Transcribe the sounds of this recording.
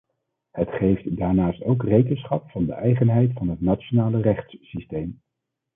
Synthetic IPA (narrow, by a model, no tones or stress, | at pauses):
hətχejftdaːɹnaːstowkrejkənsχɑpfɑndə̰ʔɛjχənɦɛjtfɑnɦətnat͡ʃonaːlərɛχtssistejm